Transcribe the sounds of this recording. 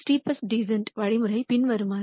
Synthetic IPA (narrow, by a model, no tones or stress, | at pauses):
sʈipəsɖizəɳʈʋaɽimuɾejpinʋəɾuma